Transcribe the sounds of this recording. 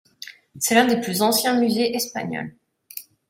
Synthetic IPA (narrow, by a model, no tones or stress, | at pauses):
sɛlɛ̃d̪eplyzɑ̃sjɛ̃myzeʔɛspa̰ɲɔ̰l